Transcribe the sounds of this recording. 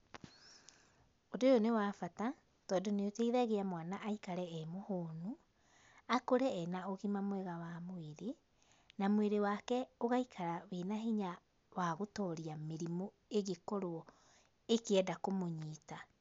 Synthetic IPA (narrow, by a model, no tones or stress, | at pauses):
odojonewafata | tɔːdoneoteiðaɣeamwanaʔaikaɾɛɛmohoːnu | akoɾɛɛnaoɣimamwɛɣawamoeɾe | namweɾewaːkɛoɣaikʰaɾawenaɦiɲa | waɣotɔɾiameɾimɔ | eɣekɔɾoɔ | ekeɛdakomoɲiːta